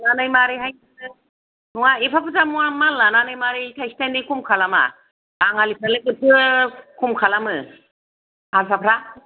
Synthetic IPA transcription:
nanɯjmaɾiɦajnanɯ | nuwaepʰapʰɯzamuamalːananɯjmaɾitʰajsi̥tajnikʰumkʰalama̰ | aŋalipʰɾalɯkɯtʰɯkʰumkʰalamɯ | asʰapʰɾa

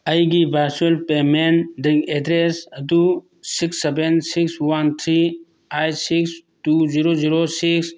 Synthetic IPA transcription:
əjɡibaɾsəlpemeɳd̪əeɖɾesəd̪u | siksːebensikswɐnt̪ʰɾi | ajsiksʈuziɾoziɾosiks

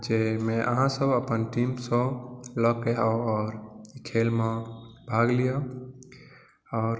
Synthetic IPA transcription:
d͡ʒemẽʔəɦãsəbəpənʈimsə̃lɔkeaoɔːɾikʰelmẽbʱaɡlijɔ | ɔːɾ

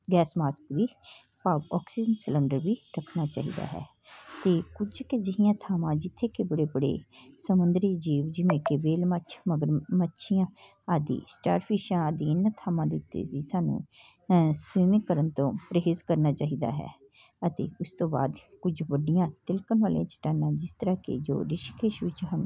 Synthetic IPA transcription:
ɡɛːsmaːskʋiː | paːʋɔːksiːd͡ʒənsələɳɖəɾʋiːɾəkʰnaːt͡ʃa̰ːɦḭːd̪a̰ːɦɛ̰ː | t̪eːkʊd͡ʒked͡ʒɪɦɪjãːt̪ʰaːmãːd͡ʒɪt̪ʰːeːkebəɽeːbəɽḛːsəmʊnd̪ɾiːd͡ʒiːʋd͡ʒɪʋẽːkeʋeːlmat͡ʃʰməɡəɾmətːʃʰijãː | aːd̪ḭːsʈa̰ːɾpʰɪʃãːd̪iːɪnãːt̪ʰaːmãːd̪eːʊt̪ːḛːʋiːsaːnṵ̃ː | sʋiːmɪkkːəɾənt̪õːpɾəɦeːzkəɾnaːt͡ʃaːɦiːd̪a̰ːɦɛ̰ː | ət̪ḛːʊst̪õːba̰ːd̪kʊd͡ʒʋəɖijãːt̪ɪlkənʋaːlḭjãːt͡ʃə̥ʈaːnãːd͡ʒɪst̪əɾaːkḛd͡ʒo̰ːɾɪʃikʰeːʃʋɪt͡ʃɦən

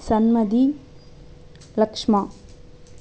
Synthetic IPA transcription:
sɐnmɐd̪i | lɐkʂmaː

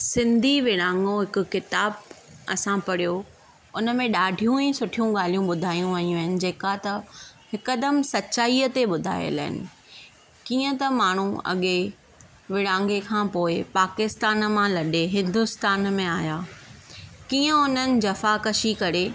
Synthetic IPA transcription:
sɪ̃nd̪ʱiʋɪɽãːŋɡoɦɪkʊ̆kɪt̪aːbɐsãpɐɽijo | ʊnə̆mẽɗaːɖʱijũĩsʊʈʰijũɡaːl̤ijũɓʊd̪ʱaːijũʋɐjũɐɦɪnɪ̆d͡ʑeːkat̪ɐhɪkɐd̪əmsɐtːɕaːiːət̪eɓʊd̪ʱa̰ːjə̰la̰ːɦɪ̰nɪ̰̆ | kiːə̃t̪ɐmaːɳ̤ũɐ̰ɠe | ʋɪɽ̃ãːŋɡekʰãːpoːɪpaːkɪst̪aːnmãlɐɗeɦɪ̃nd̪ʊst̪aːnmẽaːjaː | kiːə̃ʊnənɪ̆d͡ʑɐfakɐʃikɐɾe

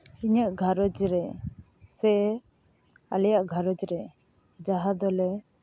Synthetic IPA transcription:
iɲəʔɡʱaɾɔd͡ʒɾɛ | sɛ | a̰lɛjaʔɡʱaɾɔd͡ʒɾɛ | d͡ʒaɦad̪ɔlɛ

